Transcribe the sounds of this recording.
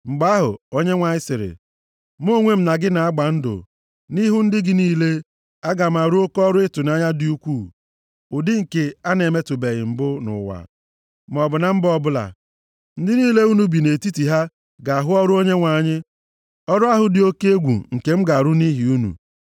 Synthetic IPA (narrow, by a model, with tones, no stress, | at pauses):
ŋ͡m̩˨ɡ͡ba˦a˦ɦʊ̰˨o˦ɲe˦ŋʷa˨ɲɪ˦sɪ˨ɾɪ̰˨ | m˦o˦ŋʷe˦m̩˦na˨ɡɪ˦na˨a˦ɡ͡ba˨n̩˦dʊ̰˨ | ni˦ɦʊ˦n̩˦dɪ˦ɡɪ˦niː˦le˦ | a˦ɡa˨m̩˨a˨ɾʊ˦o˦kɔ˦ɾʊ˦ɪ˦tʊ˨na˦ɲa˦dɪ˦u˦kʷuː˦˨ | ʊ˨dɪ˦ŋ̩˨ke˨a˦ne˨me˦tʊ˨be˨ɣɪ˨m̩˨bʊ˦nʊ̰˨wa̰˨ | m˨ɔ˨bʊ˨na˦m̩˦bɔ˦bʊ˦la̰˨ | n̩˦dɪ˦niː˦le˦u˦nu˨bi˨ne˨ti˦ti˨ɦa˦ | ɡa˨a˨ɦʊ˦ɔ˦ɾʊ˦o˦ɲe˦ŋʷa˨ɲɪ˦ | ɔ˦ɾʊ˦a˦ɦʊ˨dɪ˦o˦ke˦e˦ɡʷṵ˨ŋ̩˨ke˨m̩˦ɡa˨ɾʊ˦ni˦ɦi˨u˦nṵ˨